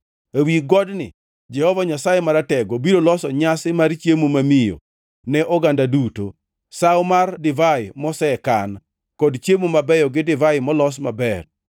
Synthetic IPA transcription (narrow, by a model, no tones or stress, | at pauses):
awiɡɔdnɪ̰ | d͡ʒɛhɔvaɲasajemaɾatɛɡɔbiɾolɔsɔɲasɪmaɾt͡ʃjemumamijo̰ | nɛʔɔɡandaduto̰ | sawmardɪvaɪmɔsɛkan | kɔdt͡ʃemumabɛjɔɡɪdɪvajɪmɔlɔs̬mabɛr